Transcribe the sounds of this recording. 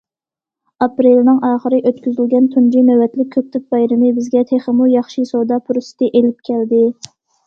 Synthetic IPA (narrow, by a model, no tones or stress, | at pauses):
ɑpɾelnɪŋɑːχəɾɨʔøt̪kʲyzylɡʲɛnt̪ʰund͡ʒimæwɛt̪lɪk̚ʲʰːøp̚t̪ʰɪk̚bɑjɾɪmɪbɪzɡʲɛt̪ʰeχəmujɑχʃisowd̪ɑpʰuɾsɨ̥t̪ʰɨʔelɪp̚kʲʰɛld̪ɪ